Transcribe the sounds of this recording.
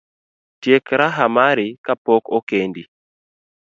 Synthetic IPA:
tjekɾaɦamaɾikapɔkokendi

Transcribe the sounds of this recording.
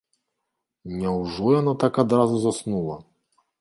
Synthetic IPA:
ɲɛwʐujanɔt̪akad̪ɾazuzɔsnula

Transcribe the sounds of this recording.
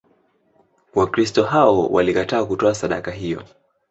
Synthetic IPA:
wakɾistɔɦaɔwʔa̰likataːkutɔasaɗa̰kaɦijɔ̰

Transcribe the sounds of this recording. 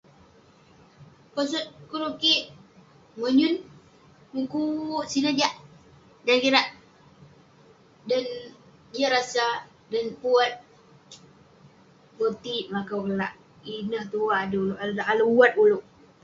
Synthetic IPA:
kɔs̬ɔt̪̚kuɾukiʔ | məɲʊn | muŋkuʔsinəd͡ʒaʔ | dankiɾaʔ | dan | iaɾasa | danpuat̪̚ | bət̪iʔmakawkəlaʔ | inəht̪uaːdəloʔallaʔalwat̪uluʔ

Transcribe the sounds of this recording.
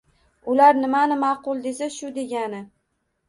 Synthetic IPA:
ʊlaɾnɪmanɪmɑqʊlˠd̪e̞saʃʊd̪e̞ɡʲanɪ

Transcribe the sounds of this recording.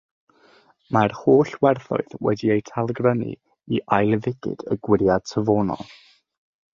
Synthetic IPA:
marhoːɬwɛrθʊ̰ɨðwɛ̰diejtʰalˠəɡrənḭ | iʔajlˠvɪɡ̥ɪ̰d̥əɡ̥wɪɾjad̥̚tʰəvoːnɔ̰lˠ

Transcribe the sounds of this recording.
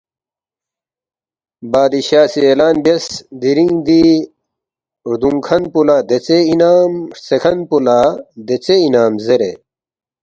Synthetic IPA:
baːd̪iɕaːsielaːnbjɐsd̪iɾĩŋd̪i | ɾd̪uŋkʰɐnpulad̪et͡seinaːmsekʰɐnpulad̪et͡seinaːmzeɾe

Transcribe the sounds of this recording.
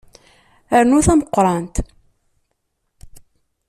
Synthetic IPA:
əɾnuθæməqːɾˤɑnt̪

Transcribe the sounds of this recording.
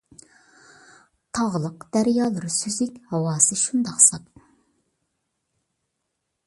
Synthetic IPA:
t̪ʰɑʁlˠəqd̪̥æɾjɑːlˠɨɾɨsyzɪkʲhɑwɑːsɨʃund̪ɑqsɑt̪

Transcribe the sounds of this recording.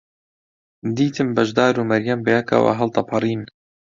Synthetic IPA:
d̪iːt̪ʰɨmbɐʒd̪aːɾuːmɐɾjɐmbɛjakɐ̰wa̰ɦɐlt̪ɑpʰɑrˤiːn

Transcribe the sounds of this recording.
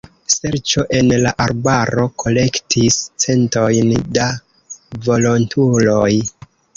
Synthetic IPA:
se̞ɾt͡ʃo̞ʔe̞nlaʔaɾbaɾo̞kʰo̞le̞ktʰist͡se̞nto̞jnda | vo̞lo̞ntʰulo̞j

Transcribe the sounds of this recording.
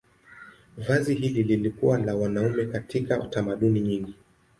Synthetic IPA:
vaziɦilililikuwalawanaumɛkatʰikaṵtamaɗuniɲiŋɡi

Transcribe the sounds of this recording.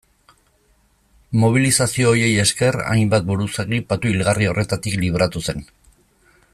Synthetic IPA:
mo̞β̞ilisasio̞ːje̞je̞ske̞ra̰jmbat̪̚buɾuseɣipat̪uilɣario̞re̞t̪at̪ikliβ̞ɾat̪use̞n

